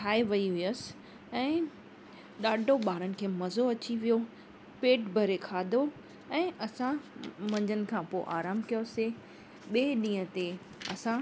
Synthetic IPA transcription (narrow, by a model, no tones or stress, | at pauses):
ʈʰaːeʋɐiɦʊiəsɪ̥ | ɛ̃ː | ɗaːɖʱoɓaːɾənɪ̆kʰeːmɐzoɐt͡ɕiʋijo | peːʈbʱɐɾekʰaːd̪ʱo | ɛ̃ːʔɐsãmɐ̃ɲd͡ʑənɪ̆kʰãpoʔaːɾaːmkijose | ɓeːɗĩːə̃t̪e | ɐ̰sã